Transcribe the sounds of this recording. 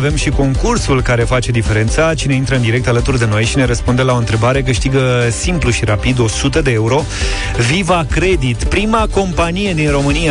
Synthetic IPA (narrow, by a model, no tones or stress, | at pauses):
ve̞mʃiko̞ŋkursulkaɾe̞fat͡ʃe̞d̪ife̞ɾe̞nt̪sat͡ʃine̞int̪ɾəɨnd̪iɾe̞k̚t̪alət̪urd̪e̞no̞jʃine̞ɾəspund̪elao̞ɨnt̪ɾe̞baɾe̞k̬ɨʃt̪iɡəsimpluʃiɾapid̪o̞sut̪əd̪eeuɾo̞ | vivakɾe̞d̪it̪pɾimako̞mpanije̞d̪inro̞mɨnia